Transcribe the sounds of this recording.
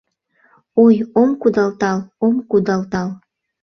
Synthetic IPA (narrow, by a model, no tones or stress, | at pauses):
ojomkud̪ɑlt̪ɑlomkud̪ɑlt̪ɑl